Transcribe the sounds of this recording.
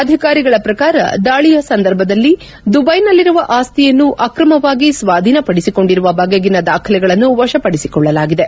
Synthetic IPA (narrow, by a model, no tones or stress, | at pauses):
ɐd̪ʱikaːɾiɡɐɭɐpɾɐkaːɾɐ̰d̪aːɭijɐsɐnd̪ɐɾbʱɐd̪ɐlːi | d̪ubɐjnɐlːiɾuʋɐʔaːst̪ijɐnːuʔɐkɾɐmɐʋaːɡisʋaːd̪ʱinɐpɐɽisiko̞ɳɖiɾuʋɐbʱɐɡɐɡinɐd̪aːkʰɐlɛɡɐɭɐnːuʋɐʂɐpɐɽisikɔɭːɐlaːɡid̪e̞